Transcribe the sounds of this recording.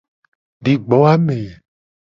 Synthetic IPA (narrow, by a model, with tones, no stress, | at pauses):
di˨ɡ͡bɔ˨˦a˦me˨